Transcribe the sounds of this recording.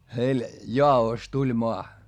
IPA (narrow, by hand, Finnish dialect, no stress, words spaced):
heil jɑːoˑs tulʲ moɑ